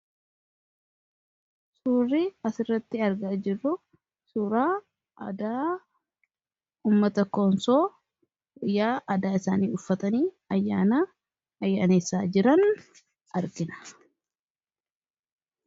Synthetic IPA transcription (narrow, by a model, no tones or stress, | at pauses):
suːrːiɐsɪrːɐt̪ːɪɐɾɡaːd͡ʒɪrːʊ | suːɾaː | ʔɐ̰d̪aː | uːmːɐt̪ɐkonsoː | ɪjːaːʔɐd̪aːɪsaːniːʊfːɐt̪ɐniː | ɐjːaːna | ɐjːaːneːsːaːd͡ʒɪɾɐn | ʔɐɾɡɪnɐ̥